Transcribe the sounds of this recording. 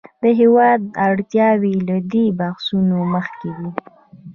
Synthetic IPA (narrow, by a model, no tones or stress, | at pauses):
d̪əɦewɑd̪aɽt̪jɑwilad̪ebahsunoməxked̪i